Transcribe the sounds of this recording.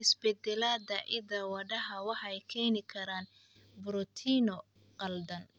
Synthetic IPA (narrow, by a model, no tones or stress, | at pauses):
ɪsbɛd̪ɛlaːd̪ɐʔɪd̪ɐwɐɖɐɦɐwɑħɛjkʰɛːnɪkʰɐɾaːn | bʊɾɔt̪ʰiːnɔ | qɐld̪ɐn